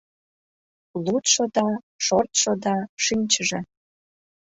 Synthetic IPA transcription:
lut̪ʃod̪ɑ | ʃort̪ʃod̪ɑʃinʲt͡ɕəʒĕ

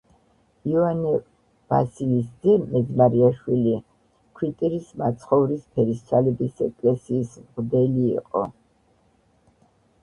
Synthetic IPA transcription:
iɔanɛ | v̥asilisd̪ɛmɛzmaɾiaʃwili | kʰwit̪ʼɛɾismat̪sʰχɔvɾispʰɛɾist̪sʰalɛbisɛkʼlɛsiːsmʁd̪ɛlḭːqʼɔ̰

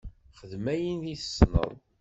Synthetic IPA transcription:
χəðmæjənðiθəsnə̰ðˤ

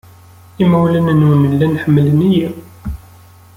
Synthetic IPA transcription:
imæwlənənwnəlːænħəmːləniji

